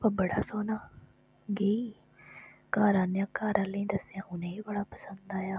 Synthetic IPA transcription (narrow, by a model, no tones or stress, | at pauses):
pəbəɽaːsoːnaː | ɡeiː | kaːɾãːnjãːkaːɾãːləĩːd̪əsɪjãːʔʊnẽːiːbəɽaːpəsənd̪aːjaː